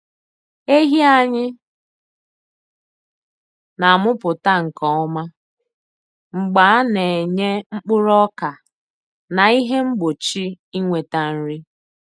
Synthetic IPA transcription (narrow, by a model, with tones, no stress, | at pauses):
e˦ɦi˦a˦ɲɪ˦ | na˨mʊ˦pʊ˨ta˦ŋ̩˨kɔ˨˦ɔ˦ma˦ | ŋ͡m̩˨ɡ͡ba˨˦a˦ne˨ɲe˦ŋ͡m̩˦k͡pʊ˦ɾɔ˦ka˨ | na˨i˦ɦe˦ŋ͡m̩˦ɡ͡bo˨t͡ʃi˦ | i˦ŋʷe˨ta˨n̩˦ɾi˦